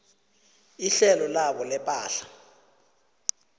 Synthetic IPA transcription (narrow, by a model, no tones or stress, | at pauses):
iɬɛlɔlaɓɔlɛpʼaːɬḁ